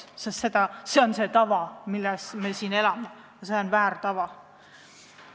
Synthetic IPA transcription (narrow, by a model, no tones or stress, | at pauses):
sest̪se̞d̪̥ɑse̞onse̞t̪ɑvɑmilːɛsme̞siːne̞lɑme | jɑse̞ːonvæːɾt̪ɑvɑ